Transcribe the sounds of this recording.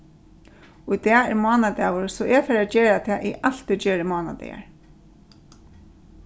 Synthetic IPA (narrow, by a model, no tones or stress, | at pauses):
ʊjt̪ɛːɛ̰ɹmɔːnad̪ɛːʋʊɹsɔʔɛfɛːɾad͡ʒeːɾat̪ʰɛaːʔiʔal̥t̪ɪd͡ʒeːɾɪmɔːna̰d̪ɛ̰ja̰ɹ